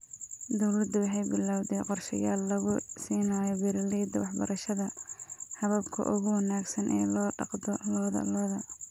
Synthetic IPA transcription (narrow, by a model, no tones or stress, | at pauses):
d̪ɔwlɐd̪ʊwɑħɑjbɪlaːwd̪ɛjqɔrʃɐ̰jaːlːɐɣʊsiːnaːjɔbɛɾɐlɛjd̪ɐwɑħbɐ̰ɾʔɐʃɐðɐhɐβɐbkʰɐ̰ʔʊɣʊwɑnaːɡsɐnʔɛ̰ːlɔːɖɑqd̪ɔlɔːðɐ̰lɔːðɐ